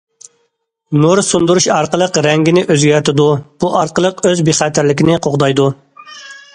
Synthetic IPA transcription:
nuɾsund̪uɾuʃɑɾqəlˠəqɾɛŋɡʲinɪʔøzɡʲæɾt̪ʰɪd̪ub̥uʔɑɾqəlˠəqøzbiχæːt̪ʰɪɾlɪkʲinɪqʰoʁd̪ɑjd̪u

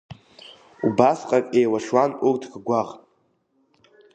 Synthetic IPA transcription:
ubasqʼakʼejwaʂwanurtʰɡɡʷaʁʼ

